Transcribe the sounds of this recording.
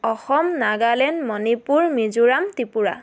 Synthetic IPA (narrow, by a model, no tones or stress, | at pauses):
ɔxɔmnaɡalɛnmɔnipuɹmizuɹamtipuɹa̰